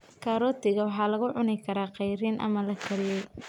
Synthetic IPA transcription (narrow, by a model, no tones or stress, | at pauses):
kʰaɾɔːt̪ʰɪɣɐwɑħɑːlɐɣʊʕʊnɛkʰɐɾaːqɛjɾiːnʔɐ̰mɐlɐkʰɐɾɪjɛj